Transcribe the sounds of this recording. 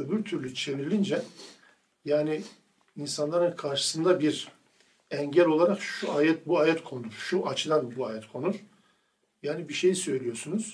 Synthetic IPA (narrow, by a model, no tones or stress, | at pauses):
øbyɾt̪ʰyɾlʲyt͡ʃʰe̞miɾilʲind͡ʒɛ | jaːniː | nsanlˠaɾɯnkʰaɾʃɯ̥sɯnd̪abiɾ | ɛɲɟælʲo̞lˠaɾakʃʃuaːjɛt̪̚buaːjɛt̪kʰo̞nuɾ̥ʃuʔat͡ʃʰɯd̪anbuaːjɛt̪kʰo̞nuɾ̥ | jaːnibiʃejsø̞jlʲijo̞sunuz̥